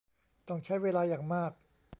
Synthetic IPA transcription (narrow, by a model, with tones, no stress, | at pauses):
t̪ɔ˥˩ŋt͡ɕʰa˥˩jweː˧laː˧jaː˨˩ŋmaː˥˩k̚